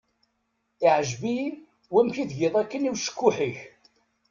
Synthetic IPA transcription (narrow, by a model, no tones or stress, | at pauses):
ɪʕəʒbi | wæmçiðʝɪðˤækːəniwʃə̥kːʊħiç